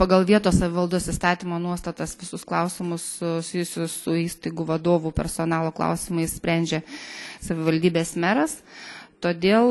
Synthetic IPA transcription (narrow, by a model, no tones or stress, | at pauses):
pɐɡɐlˠʋʲiɛt̪oːssɐʋʲɪʋɐlˠd̪usiːst̪ɑːt̪ʲiːmoːnuɔst̪ɐt̪ɐsʋʲɪsʊsklˠɐʊsʲɪmʊssʲɪjʊsʲʊssʊiːst̪ɐɪɡuʋɐd̪oːʋupʲɛ̰ɾsoːnɑːlˠoːklˠɐ̰ʊsʲɪmɐɪssʲpʲɾʲænʲd͡ʒʲesɐʋʲɪʋɐlʲd̪ʲiːbʲeːsmʲæɾɐst̪oːd̪ʲeːlˠ